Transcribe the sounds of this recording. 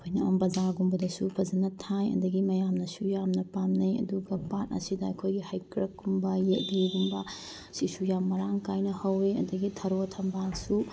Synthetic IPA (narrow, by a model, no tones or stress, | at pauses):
kʰojnɐa̰mbɐzaɾɡumbɐdɐsupʰɐzɐnɐtʰajɐ̰dɐɡimɐjamnɐsujamnɐpamnɐjɐ̰duɡɐpat̚ɐ̰sidɐɐ̰jkʰojɡihajkɾɐkɡumbɐjet̚liɡumbɐ | sisujamːɐɾaŋkajnɐhɐwiɐ̰dɐɡitʰɐɾotʰɐmbansu